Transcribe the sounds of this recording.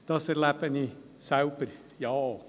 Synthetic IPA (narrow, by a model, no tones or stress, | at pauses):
d̪̥ɑsəɾlæpəni | sɑʊpəɾ | jɑː